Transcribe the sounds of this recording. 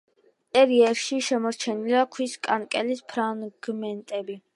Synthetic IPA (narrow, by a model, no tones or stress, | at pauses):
t̪ʼɛɾiɛɾʃiʃɛmɔɾt͡ʃʰɛniliakʰwiskʼankʼɛlispʰɾaŋɡ̥mɛnt̪ʼɛbi